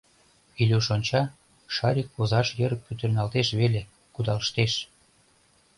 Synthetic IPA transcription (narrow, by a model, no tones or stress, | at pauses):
ilʲuʃonʲt͡ɕɑ | ʃɑɾʲikːozɑʃjəɾək̚pyt̪ə̆rnɑlt̪eʃβele | kud̪ɑləʃt̪eʃ